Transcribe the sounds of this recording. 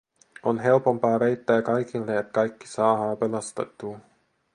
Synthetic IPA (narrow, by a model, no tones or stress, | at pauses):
o̞nɦe̞lpo̞mpɑːvejt̪ːæːkɑjkilːeæt̪̚kɑjkːi̥sɑːɦɑːpe̞lɑst̪et̪ːuː